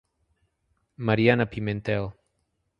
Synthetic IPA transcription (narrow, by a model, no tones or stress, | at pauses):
maɾjanapimẽnt̪ɛl